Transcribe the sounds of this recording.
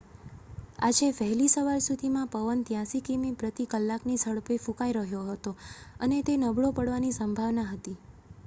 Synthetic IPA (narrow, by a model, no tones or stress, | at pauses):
a̰d͡ʒeʋəɦɛlisəʋaɾsud̪ʱimãpəʋənt̪jãsikimipɾət̪ikəlːaknisəɽpefũkaiɾəɦjoɦət̪oənet̪enəbɭopəɽʋanisəmbʱaʋnaɦət̪i